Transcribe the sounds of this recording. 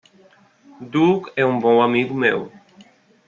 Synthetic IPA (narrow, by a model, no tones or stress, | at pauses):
d̪ukɛũbõamiɡʊmḛw